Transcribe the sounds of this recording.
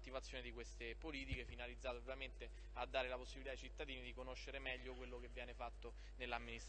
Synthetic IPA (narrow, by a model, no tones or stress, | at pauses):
t̪ːivat̪sːjoːned̪ikwest̪epoliːt̪ikefinalid̪zːaːt̪eovjament̪e | ad̪ːaːɾelaposːibilit̪ajit͡ʃit̪ːad̪iːnid̪ikonoʃːeɾemɛʎːokwelːok̟evːjɛːnefat̪ːo | nelːamːinist̪